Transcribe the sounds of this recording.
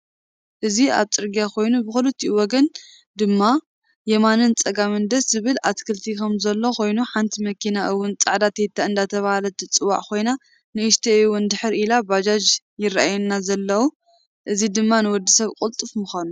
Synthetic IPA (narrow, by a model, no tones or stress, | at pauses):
ʔɨzia̰βt͡sʼɨɾɡijakʰo̞jnubɨxulɨt̪ʰːiwɔɡɐn | d̪ɨmːa | jɛmanɨnt͡sʼɐɡamɨnd̪ɐszɨβɨlat̪kʰɨlt̪ʰikʰɐmzɐlːo̞ko̞jnuħant̪ʰimɐkʰinaʔɨwːʊnt͡sʼaʕd̪at̪ʰet̪ʰːaɨnd̪at̪ʰɐβahalɐt̪ʰɨt͡sʼɨwa̰ʕkʰo̞jna | nɨɨʃt̪ʰiɨwʊnd̪ɨħɨɾʔilabad͡ʒad͡ʒ | jɪrːaʔajunːazɐlːɐwu | ʔɨzid̪ɨmːanɨwɔd̪ːisɐβkʼult̪ʼɨfmɨxanu